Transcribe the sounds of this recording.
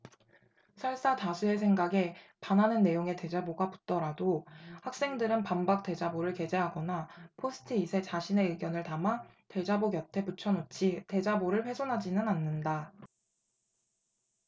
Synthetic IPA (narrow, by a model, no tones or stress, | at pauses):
sʰʌɭs͈atasʰue̞s̬ʰe̞ŋɡaɡe̞panɦanɯnːe̞joŋe̞te̞d͡ʑaboɡapu̥t̚t͈ʌɾadohak̚s͈e̞ŋdɯɾɯnpambak̚t͈e̞d͡ʑaboɾɯɭke̞d͡ʑe̞ɦaɡʌnapʰosʰɯ̥tʰɯisʰe̞t͡ɕaɕʰine̞ɯɡjʌnɯɭtamate̞d͡ʑaboɡjʌtʰe̞put͡ɕʰʌnot͡ɕʰite̞d͡ʑaboɾɯɭɸwe̞sʰonɦad͡ʑinɯnanːɯnda